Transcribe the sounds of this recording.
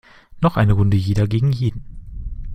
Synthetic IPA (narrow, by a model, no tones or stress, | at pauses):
nɔχʔa̰ɪnəʁʊndəjeːdɐɡeːɡŋ̩jeːdn̩